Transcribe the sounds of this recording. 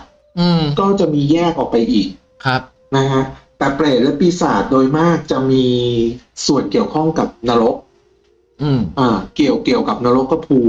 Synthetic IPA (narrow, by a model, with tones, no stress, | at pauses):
ʔɯː˧kɔː˥˩t͡ɕa˨˩ʔmiː˧jɛː˥˩k̚ʔɔː˨˩k̚pa˧jʔiː˨˩k̚ | k̚ʰ | na˦˥kʰa˦˥ʔt̪ɛː˨˩pɾeː˨˩t̪̚lɛ˦˥piː˧saː˨˩t̪̚doː˧jmaː˥˩k̚t͡ɕa˨˩ʔmiː˧ | su˨˩ənki˨˩əwkʰɔ˥˩ŋka˨˩p̚na˧ɾo˦˥k̚ | ɯ˧˩ʔaː˨˧˩ki˨˩əwki˨˩əwka˨˩p̚na˧ɾo˦˥kːa˧pʰuː˧